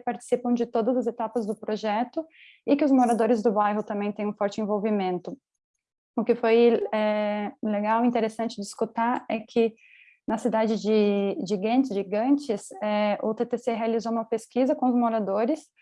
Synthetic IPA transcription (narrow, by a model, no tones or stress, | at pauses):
paɾt͡ʃɪ̥sipɐ̃w̃d͡ʒɪt̪od̪ɐzɐzet̪apɐzd̪ʊpɾoʒɛt̪ʊ | ɪkɪʊzmoɾad̪oɾɪzd̪ʊbajɦʊt̪ɐ̃mbẽj̃t̪ẽj̃ũfɔɾt͡ʃɪẽvowvimẽnt̪ʊ | ʊkɪfojɛleɡawĩt̪eɾesɐ̃nt͡ʃɪd͡ʒɪiskut̪aɾɛkʰɪ | nɐsid̪ad͡ʒɪd͡ʒɪʒiɡɐ̃nt͡ʃɪʒiɡɐ̃nt͡ʃɪsɛʊt̪et̪eseɦealizoũmɐpeskizɐkõʊzmoɾad̪oɾɪs